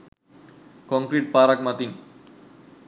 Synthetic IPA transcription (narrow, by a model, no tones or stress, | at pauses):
kɔ̃ŋkɾiʈ̚paːɾak̚mat̪iŋ